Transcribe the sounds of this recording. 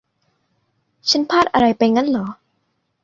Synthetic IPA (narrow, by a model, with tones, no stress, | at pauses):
t͡ɕʰa˦˥npʰaː˥˩t̪̚ʔa˧ɾa˧jpa˧jŋa˦˥nlɔː˩˦